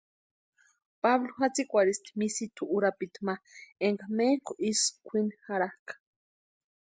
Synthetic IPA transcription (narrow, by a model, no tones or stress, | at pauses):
paβloxat͡sikʷaɾist̪i̥misit̪ʰuʔuɾapit̪maeŋɡamekoʔiskʷʰinxaɾahkḁ